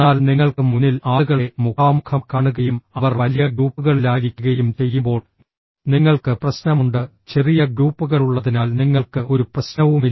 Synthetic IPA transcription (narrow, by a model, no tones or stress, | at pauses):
aːlniŋːɐɭkɨmunːilaːɭuɣɐɭemukaːmukʰɐmkaːɳuɣɐjumɐʋɐrʋɐlijɐɡɾuːpːuɣɐɭilaːjiɾikʲːuɣɐjumt͡ɕe̞jːumbo̞ːɭ | niŋːɐɭkɨprɐɕnɐmuɳɖɨt͡ɕe̞rijɐɡɾuːpːuɣɐɭuɭːɐðinaːlniŋːɐɭkɨʔoɾuprɐɕnɐʋumi